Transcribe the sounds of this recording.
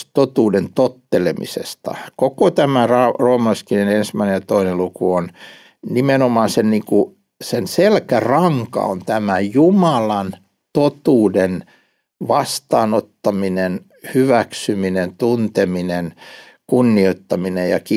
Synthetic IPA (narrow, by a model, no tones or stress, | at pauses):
t̪ot̪uːdent̪ot̪ːelemḭsḛst̪ɑ̰kokot̪æmærɑroːmɑskinenensmæinejɑt̪oinelukuon | nimenomɑːnsenniːŋku | senselkærɑŋkɑ̰o̰nt̪æmæjumɑlɑn | t̪ot̪uːden | ʋɑst̪ɑːnot̪ːɑminen | hyʋæksyminent̪unt̪eminen | kunːioit̪ːɑminejɑ̰ki